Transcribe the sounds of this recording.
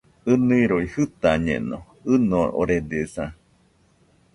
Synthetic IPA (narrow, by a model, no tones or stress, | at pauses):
ɨniiɾoihɨt̪aɲḛ̃no | ɨnõʔo̰ɾed̪esã